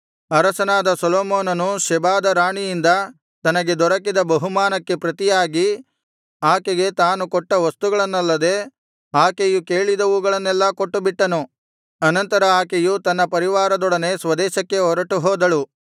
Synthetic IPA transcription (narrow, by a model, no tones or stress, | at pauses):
ɐɾɐsɐnaːd̪ɐsɔloːmoːnɐnuʃɛbaːd̪ɐɾaːɳijind̪ɐ | t̪ɐnɐɡe̞d̪ɔɾɐkid̪ɐbɐɦumaːnɐkːe̞pɾɐt̪ijaːɡi | aːkeɡe̞t̪aːnukɔʈːɐʋɐst̪uɡɐɭɐnːɐlːɐd̪e̞ː | aːkejukeːɭid̪ɐʋuːɡɐɭɐnːɛlːɐkoʈːubiʈːɐnu | ɐnɐnt̪ɐɾɐaːkejut̪ɐnːɐpɐɾiʋaːɾɐd̪ɔɽɐne̞sʋɐd̪ɛːʃɐkːe̞ɦɔɾɐʈuɦɔːd̪ɐɭu